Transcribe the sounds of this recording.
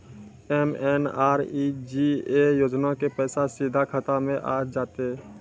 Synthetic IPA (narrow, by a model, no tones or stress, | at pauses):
ɛːmɛːnaːɾid͡ʒiejoːd͡ʒnakepɛːsasid̪ʱakʰət̪amẽʔa̰ːd͡ʒaːt̪eɛ